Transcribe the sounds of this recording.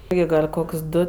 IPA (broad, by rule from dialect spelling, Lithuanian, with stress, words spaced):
ˈjɛɪ ɡɐlʲ ˈkoːkʲsʲ ˈdʊ